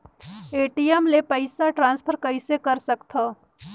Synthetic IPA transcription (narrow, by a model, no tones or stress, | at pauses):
eːʈijɛmlepəɪsaʈɾãːnspʰəɾkəɪsekɐɾsɐkt̪ʰaː